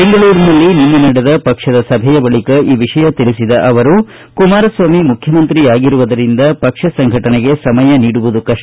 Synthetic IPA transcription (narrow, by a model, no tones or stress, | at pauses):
be̞ŋɡɐɭuːɾnɐlːinimːɐnɐɽɐd̪ɐpɐkʂɐd̪ɐsɐbʱɛjɐbɐɭikɐʔiːʋiʂɐjɐt̪iɭisid̪ɐʔɐʋɐɾu | kumaːɾɐsʋaːmimukʰjɐmɐnt̪ɾiaːɡiɾuʋɐd̪ɐɾind̪ɐpɐkʂɐsɐŋɡʱɐʈɐneɡe̞sɐmɐjɐniːɽuʋud̪ukɐʂ